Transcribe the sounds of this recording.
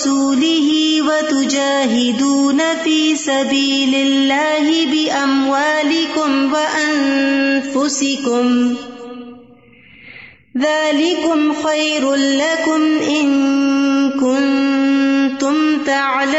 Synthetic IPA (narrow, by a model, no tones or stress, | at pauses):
uːlɪhɪːwat̪ʊd͡ʒaːɦɪd̪uːnafiːsabiːlɪlːaːɦɪbɪʔamwaːlɪkʊmwaʔannfʊsɪkʊm | ðaːlɪkʊmxajɾʊnlakʊmʔɪŋ | kʊn | t̪ʊmt̪aʕla